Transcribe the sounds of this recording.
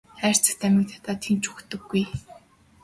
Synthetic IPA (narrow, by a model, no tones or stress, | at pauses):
χæːr̥ʲt͡sə̆kt̪ʰæmʲɪ̆k̚t̪ʰḁt̪aːt̪ʰemt͡ɕukt̪ɵ̆ɡːuj